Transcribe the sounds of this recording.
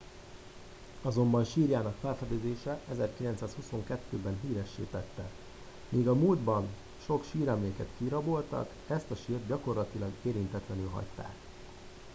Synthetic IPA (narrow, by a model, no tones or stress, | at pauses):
ɒzo̞mbɒnʃiːrjaːnɒkfɛlfɛd̪øːd̪eːʃɛʔɛzɛrkilɛnt̪saːshuso̞ŋkɛt̪ːøːbɛnɦiːɾɛʃːḛːt̪ɛt̪ːɛ | miːɡɒmuːld̪bɒn | ʃo̞kʃiːɾɛmleːkɛt̪kiɾɒbo̞lt̪ɒ̰k | ɛst̪ɒʃiːrd̪̚ɟɒko̞rlɒt̪ilɒɡeːɾint̪ɛt̪lɛnylɦɒ̰ct̪ːa̰ːk